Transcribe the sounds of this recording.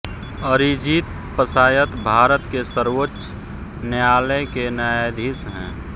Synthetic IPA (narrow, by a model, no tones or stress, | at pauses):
əɾid͡ʒiːt̪ | pəsaːjət̪bʱaːɾət̪kesəɾwotːʃ | nejaːləkenəjed̪ʱisɦɛ̰̃ː